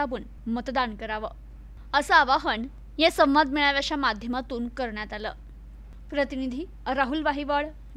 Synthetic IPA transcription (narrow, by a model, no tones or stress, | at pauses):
abuːn | mət̪d̪ankəɾaʋəː | əsəaʋaɦən | jesə̃m̃ʋad̪̚ʱmiɭaʋjat͡ɕjamad̪ʱjəmat̪uːnkəɾɳjat̪alə̰ː | pɾət̪inid̪ʱiː | ɾaɦulʋaɦiʋəɭ